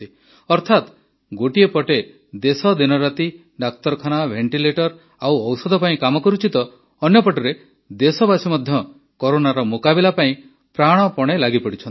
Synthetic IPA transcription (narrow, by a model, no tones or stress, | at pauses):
t̪i | ɔɾt̪ʰat̪ | ɡoʈiepɔʈe | d̪esɔd̪inɔɾat̪i | ɖak̚t̪ɔɾɔkʰanabʱeɳʈileʈɔɾ | awɔwsɔd̪ʱɔpaĩkamɔkɔɾut͡ʃit̪ɔː | njɔpɔʈɔɾe | d̪esɔbasimɔd̪ʱjɔ | kɔɾonaɾɔmokabilapaĩ | pɾaɽ̃ɔpɔɽ̃elaɡipɔɽit͡ʃʰɔni